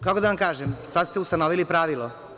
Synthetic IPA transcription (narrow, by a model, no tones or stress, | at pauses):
kakod̪aʋamkaːʒemsad̪st̪eust̪anoʋilipɾaːʋilˠo